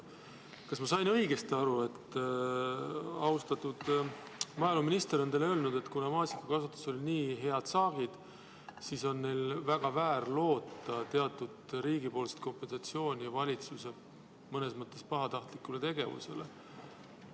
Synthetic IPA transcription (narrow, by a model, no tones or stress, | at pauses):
kɑsmɑsɑjnɤjɡe̞st̪iɑɾue̞t̪ː | ɑust̪ɑt̪ːud̪̥ | mɑjɑluminʲist̪e̞ɾont̪eløːlnud̪̥e̞t̪ːˑkunɑmɑːsi̥kːɑkɑsut̪ːˑu̥so̞lʲiniːɦe̞ɑd̪̥sɑːɡ̥id̪̥ | siso̞nːe̞jlvæɡ̥ɑvæːɾlo̞ːt̪ːˑɑt̪e̞ɑt̪ːˑud̪̥ɾiːɡ̥ipo̞ːlse̥t̪̚ko̞mpe̞nsɑt̪sio̞ːnʲijɑvɑlʲit̪suse̞ | mɤne̞smɤt̪ːˑe̞spɑɦɑt̪ɑht̪likːulet̪e̞ɡ̥e̞vṵse̞̰le